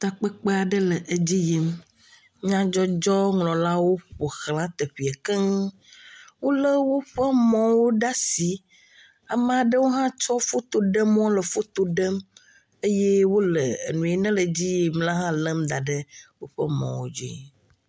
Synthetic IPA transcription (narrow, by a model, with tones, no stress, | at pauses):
t̪a˨k͡pə˦k͡pe˦a˨ɖə˦lə˨ʔe˨d͡ʑi˦ji˦m | ɲ̃˦ã˦d͡ʒɔ˦d͡ʒɔ˦ŋlɔ̃˨la˦wo˦ɸo˨xl̃ã˦t̪e˨ɸi˨a˨kɛ˦ŋ˦ | wo˦lə˦wo˦ɸə˦mɔ̃˨wo˦ɖa˦si˨˦ | a˨mẽ˦˨a˨ɖə˦wo˦ɦã˦t͡ʃɔ˦fo˦t̪o˨ɖə˦m˦ɔ̃˦lə˨fo˦t̪o˨ɖə˦m | e˦je˦wo˦lə˨ḛ˨nũ˨e˨nɛ̃˦lə˨d͡ʑi˦ji˨mla˦ɦã˦lə˦md̪a˨ɖə˦wo˦ɸə˦mɔ̰̃˨wo̰˦d͡ʒḭ˦˨